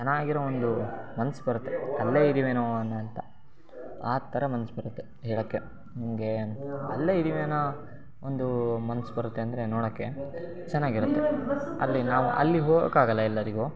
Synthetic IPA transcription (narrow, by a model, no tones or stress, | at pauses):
t͡ʃɐnːaːɡiɾoond̪umɐnɐsbɐɾut̪ːeɐlːeid̪iːʋeːnoːɐnːɐɐnt̪ɐ | aːt̪ʰːɐɾɐmɐnɐsbɐɾut̪ːe | ɦeːɭoːkːe | nimɐɡe̞ɐlːeːid̪iːʋeːnɐ | ond̪umɐnɐsbɐɾut̪ːe̞ɐnd̪ɐɾe̞noːɽoːkːe̞ | t͡ʃɛnːaːɡiɾut̪ːeɐ̰lːinaːʋuʔɐ̰lːiɦoːɡɐ̰kaːɡɐlːɐilːɐɾiɡoː